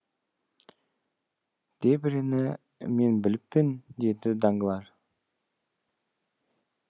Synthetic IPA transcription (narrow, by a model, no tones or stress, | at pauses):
d̪̥ebɪɾenɪ | me̞nbɪlɪpːɪnd̪e̞d̪ɪd̪ɑŋɡəlˠɑɾ